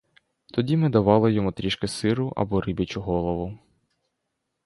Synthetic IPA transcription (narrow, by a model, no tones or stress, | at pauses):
t̪ɔdʲimɪd̪ɐʋɑlˠɪjɔmʊt̪ɾʲiʃkɪsɪɾʊʔɐ̰bɔɾibʲɐt͡ʃʊɦɔlˠɔʋʊ